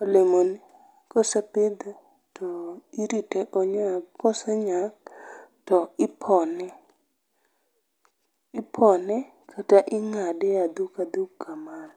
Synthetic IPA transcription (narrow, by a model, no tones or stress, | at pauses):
olemoni | kɔsapɪd̪a | tʰɔiɾitɛʔɔɲakɔsaɲak̚tɔɪpʰɔnɛ | ɪpʰɔnɛ | kʰataʔɪŋadɛad̪ukad̪ukːaman